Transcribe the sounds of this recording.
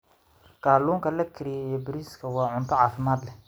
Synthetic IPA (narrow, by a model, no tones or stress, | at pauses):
ɡ̥aːluːŋkʰɐlɐkʰɪɾɪjɛijɔbɪɾiːskʰɐwɑːʕʊnt̪ʰɔʕɑːfɪmaːd̪lɛ